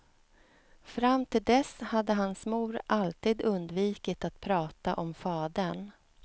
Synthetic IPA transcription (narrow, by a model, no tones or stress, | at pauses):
fɾamːt̪ʰɪld̪ɛshad̪ːəɦansmuːɾʔalt̪iːd̪ɵnd̪viːkɪt̪at̪̚pʰɾɑːt̪aʔɔmfɑːd̪əɳ